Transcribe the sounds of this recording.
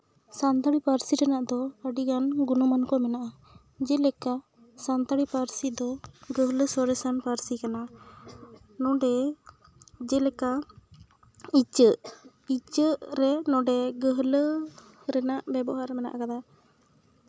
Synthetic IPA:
sant̪aɽipaɾsiɾɛnaʔd̪ɔəɖiɡanɡunɔmankɔmɛnaʔa | d͡ʒɛlɛka | sant̪aɽipaɾsid̪ɔɡəɦləsɔɾɛsanpaɾsikana | nɔ̃ɖɛ | d͡ʒɛlɛka | it͡ʃəʔ | it͡ʃəʔɾɛnɔ̃ɖɛɡəɦlə | ɾɛnaʔbɛbɔɦaɾɛmɛna̰ʔa̰kad̪a

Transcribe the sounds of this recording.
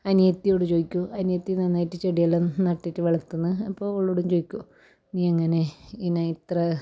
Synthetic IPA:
ɐnjɐt̪ːijoːɽut͡ɕojikʲːuɐnjɐt̪ːinɐnːaːjiʈːɨt͡ɕeɽijɐlːɐnɐʈːitːɨʋeɭɐt̪ːunːɨɐpːo̞ːoɭːuɽumt͡ɕojikʲːu | niːɐŋːɐne̞inɐit̪rɐ

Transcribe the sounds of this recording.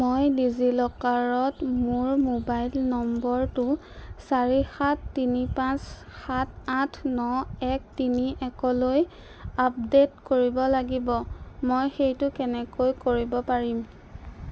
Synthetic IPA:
mojdizilɔkaɹɔtmuɹmobajlnɔmbɔɹtʊ | saɹixatʰːinipãsxatʰatʰnɔɛk̚tiniʔɛkɔloj | ap̚detkoɹibɔlaɡibɔmojxejtʊkɛnɛkojkoɹibɔpaɹim

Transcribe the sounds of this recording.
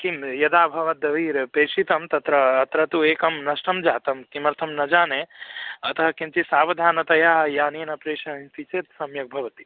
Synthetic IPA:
kimjɐd̪aːbʱɐʋɐd̪ɐʋiːɾpeːʃit̪ɐmt̪ɐt̪ɾɐːt̪ɾɐt̪ueːkɐmnɐʃʈɐmd͡ʒaːt̪ɐmkimɐɾt̪ʰɐmnɐd͡ʒaːneɐt̪ɐɦɐkimt̪isaːʋɐd̪ʱaːnɐt̪ɐjaːɦɐjaːneːnɐpɾeːʃɐɦɦint̪it͡ʃeːt̪sɐmjɐk̚bʱɐʋɐt̪i̥

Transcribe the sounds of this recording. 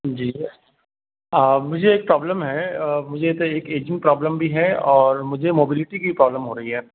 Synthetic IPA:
d͡ʒiː | əːmʊd͡ʒʱeeːk̚pɾɔːbləmɦɛmʊd͡ʒʱet̪oeːkeːd͡ʒɪ̃ŋɡ̚pɾɔːbləmbʱiɦɛɔːɾmʊd͡ʒʱemoːbɪlɪʈikipɾɔːbləmɦoːɾɐɦiɦɛː

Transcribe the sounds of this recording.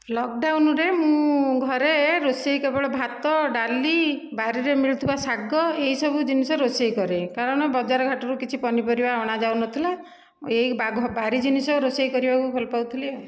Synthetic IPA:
lɔk̚ɖawnɔɾemũɡʱɔɾeɾosejkebɔɭɔbʱat̪ɔɖalibaɾiɾemiɭt̪ʰibasaɡɔeɦisɔbʱud͡ʒinisɔɾosejkɔɾekaɾɔɽ̃ɔbɔd͡ʒaɾɔɡʱaʈɔɾukit͡ʃʰipɔnipɔɾibaɔɽ̃ad͡ʒawnɔt̪ʰila | eibabaɾid͡ʒinisɔɾosejkɔɾibakupʰɔlɔpawt̪ʰiliɔ

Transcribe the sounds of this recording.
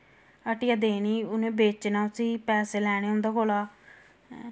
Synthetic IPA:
əʈɪjaːd̪eːniːʊnẽːbeːt͡ʃnaːʊsĩːpɛːseːlɛːɽ̃eːõʊnd̪aːkoːlaː

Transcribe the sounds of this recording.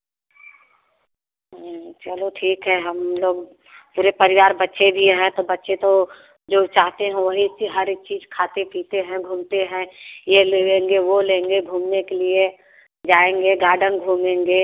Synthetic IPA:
t͡ʃəloʈʰiːkɦɛɦɐmloːɡ̚ | puːɾepɐɾɪʋaːɾbɐtːʃed̪ʱieɦɛ̃t̪obɐtːʃet̪o | d͡ʒoːt͡ʃaːɦt̪eɦɛ̃ʋɐɦit͡ʃiɦɐɾkt͡ʃiːzkʰaːt̪epiːt̪eɦɛ̃ɡʱũːmt̪eɦɛ̃jeleẽːŋɡeʋolẽːŋɡeɡʱuːmnekelie | d͡ʒaːẽːŋɡeɡaːɾɖənɡʱuːmẽːŋɡeː

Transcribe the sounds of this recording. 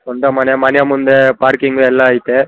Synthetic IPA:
ɔnd̪ɐmɐnɪjɐmɐnɪjɐmʊnd̪epaːɾkɪŋɡɯɛlːãːɐɪt̪ːɯ

